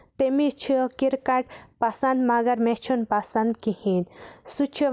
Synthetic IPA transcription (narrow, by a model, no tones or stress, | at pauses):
t̪emit͡ʃʰikiɾkaʈ̚pasɐnd̪maɡɐɾmet͡ʃʰunpasɐnd̪kihinsut͡ʃʰi